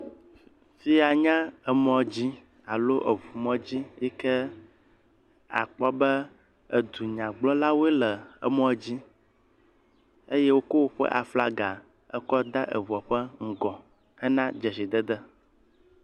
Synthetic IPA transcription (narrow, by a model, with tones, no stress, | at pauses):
fi˦a˨ɲã˦ə˨mɔ̃˨d͡ʑi˦ | a˨lo˦ʔə˨vu˨mɔ̃˦d͡ʑi˦jɛ˦kə˦ | a̰˨k͡pɔ˦bə˦ | ə̰˨d̪u˨ɲã˨ɡ͡blɔ̃˦la˦wo˦ɛ˦lə˨ə̰˨mɔ̃˦d͡ʑi˦ | ə˦jɛ˦wo˦ko˦wo˦ɸɛ̰˦ʔa˨fla̰˦ɡa˨ | ə˦kɔ˦d̪a˦ʔə̰˨vɔ˨ɸə˦ŋ̩˨ɡɔ̃˨ | ə˦nã˦d͡ʒə˨si˨d̪ə˦d̪ə˦